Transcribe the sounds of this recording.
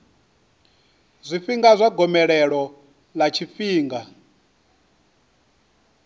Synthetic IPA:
zʷifiŋɡazʷaɡɔmɛɺɛɺɔ | lat͡ʃʰifiːŋɡa

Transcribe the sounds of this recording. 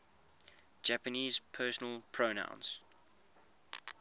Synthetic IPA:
d͡ʒæpəniːz̥pʰɜːˑsənəlˠpʰɹ̥onã̰ʊ̃ns

